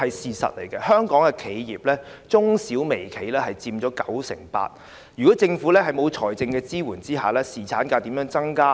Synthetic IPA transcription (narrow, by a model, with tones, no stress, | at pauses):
hɐ˨jsiː˨sɐ̰˨t̚lḛ˨˩jkɛ˧hœː˥ŋkɔː˨˥ŋkɛ˧kʰe˨˥jjḭː˨˩p̚lɛː˥t͡sʊ˥ŋsiː˨˥wme˨˩jkʰe˨˧jlɛː˥hɐ˨jt͡siː˧mt͡ɕɔː˨˥kɐ˨˥wsɪ̰˨˩ŋpa̰ː˧t̚ | jy˨kɔː˨˥t͡sɪ˧ŋfu˨˥lɛː˥ɦɐ˨jmo˨˧wt͡ʃʰɔː˨˩jt͡sɪ˧ŋkɛː˧t͡siː˥wuː˨˩nt͡siː˥ɦaː˨˩lɛː˥siː˨˩t͡sʰaː˨˥nkaː˧t̪iː˨˥mjœː˨˥ŋt͡sɐ˥ŋkaː˥